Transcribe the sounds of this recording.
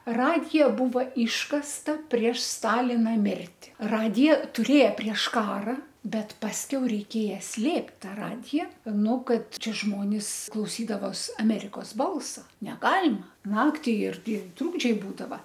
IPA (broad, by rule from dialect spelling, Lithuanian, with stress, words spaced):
ˈrɑːdʲɪjɛ ˈbuːʋɐ ˈiːʃkɐstɐ pʲrʲiɛʃ ˈstɑːlʲɪnɐ ˈmʲɪrʲtʲɪ ˈrɑːdʲɪjoː tʊˈrʲeːjɛ pʲrʲiɛʃ ˈkɑːrɐ bʲɛt pɐsʲˈkʲɛʊ rʲɛɪˈkʲeːjɛ ˈsʲlʲeːpʲtʲ ˈtɐ ˈrɑːdʲɪjɛ ˈnʊ ˈkɐt ˈt͡ʃʲɛ ˈʒmoːnʲɪs klˠɐʊˈsʲiːdɐʋoːs ɐˈmʲæːrʲɪkoːs ˈbɐlˠsɐ nʲɛˈɡɑːlʲɪmɐ ˈnɑːktʲɪ ˈɪrʲɡʲɪ ˈtruːɡd͡ʒʲɛɪ ˈbuːdɐʋɐ